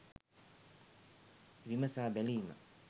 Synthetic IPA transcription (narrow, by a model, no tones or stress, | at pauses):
ɾimɐsabɛlina̰